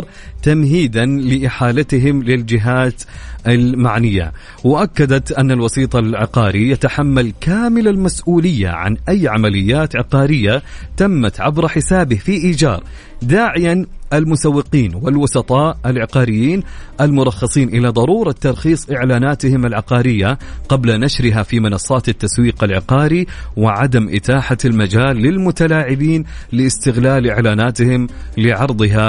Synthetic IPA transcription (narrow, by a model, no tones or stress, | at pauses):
ɾˤ | t̪amhiːd̪anlɪʔɪħaːlat̪ɪɦɪmlɪld͡ʒɪɦaːt̪ʔalmaʕnɪjːa̰ | wɪʔakːad̪at̪ʔanːalwɑsˤiːt̪ˤɑlʕɪ̰qɑːɾijat̪aħamːalkaːmɪlalmasʔuːlɪjːa̰ʕa̰nʔajːʕamalɪjːaːt̪ʕɪqɑːɾɪjːat̪amːat̪ʕa̰bɾˤɑħɪsaːbɪhfiʔiːd͡ʒɑ̰ːɾˤ | d̪aːʕɪjanʔalmʊsawːɪqiːnwɪlwʊsɑt̪ˤɑːʔalʕɪqɑːɾɪjːiːnʔalmʊɾˤɑxːɑsˤiːnʔɪlad̪ˤɑɾuːɾˤɑt̪ːɑɾˤxiːsˤʔɪʕlaːnaːt̪hɪmalʕɪqɑːɾɪjːaqɑblanaʃɾɪɦafimɪnɑsˤːɑːt̪at̪ːaswiːqalʕɪqɑːɾiwɪʕad̪amʔɪ̰t̪aːħalmad͡ʒaːlːɪlmʊt̪alaːʕɪbiːnlɪɪst̪ɪɣlaːlʔɪʕlaːnaːt̪hɪm | lɪʕɑɾˤd̪ˤɨɦa